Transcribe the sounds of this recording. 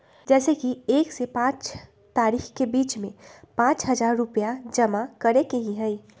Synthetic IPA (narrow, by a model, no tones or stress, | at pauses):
d͡ʒɛːsekieːksepãt͡ʃ | t̪aːɾixkebiːt͡ʃmẽpãt͡ʃɦəd͡ʒaɾːupjad͡ʒəmakəɾekeɦĩɦəj